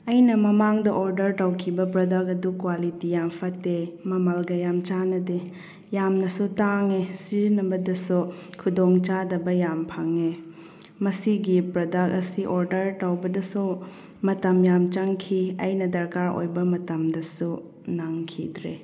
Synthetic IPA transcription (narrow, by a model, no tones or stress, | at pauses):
ɐjnɐmɐmaŋdɐʔoɾdɐɾtawkʰibɐpɾɐdak̚ɐdukwalitijampʰɐtːemɐmalɡɐjamt͡ʃanɐde | jamnɐsutaŋesiɾnɐbɐdɐsukʰudoŋt͡ʃadɐbɐjampʰaŋe | mɐsiɡipɾɐdak̚ɐsiʔoɾdɐɾtawbɐdɐsu | mɐtɐmjamt͡ʃɐŋkʰiɐjnɐdɐɾkaɾo̰jbɐmɐtɐmdɐsu | naŋkʰḭdɾḛ